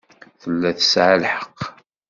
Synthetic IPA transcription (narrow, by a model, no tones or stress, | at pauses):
θəlːæθə̥sʕalħə̥qː